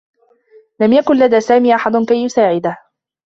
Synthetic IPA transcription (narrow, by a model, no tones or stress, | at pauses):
lamjakʊnlad̪aːsaːmiːʔaħad̪ʊkajːʊsaːʕɪd̪ah